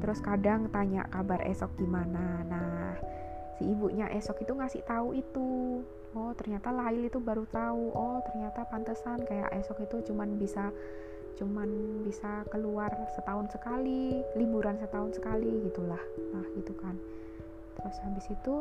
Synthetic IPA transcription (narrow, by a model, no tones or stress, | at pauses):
t̪əɾʊskadaŋt̪aɲa̰ʔkabarʔḛsɔk̚ɡimananah | siibuʔɲaʔɛsɔkit̪uŋasɪ̰ht̪auit̪u | ɔt̪ərɲat̪alaɪlit̪ubaɾut̪auʔɔt̪ərɲat̪apant̪əsankaja̰ʔɛsɔkit̪ut͡ʃumanbisa | t͡ʃumanbisakəluarsət̪aʊnsəkalilibuɾansət̪aʊnsə̥kaliɡit̪ulahnahɡit̪ukan | t̪əɾʊshabɪsit̪u